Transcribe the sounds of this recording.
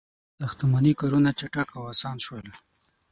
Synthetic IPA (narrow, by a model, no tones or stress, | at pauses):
d̪̥axt̪amanikaɾunat͡ʃaʈakawasɑnʃwəl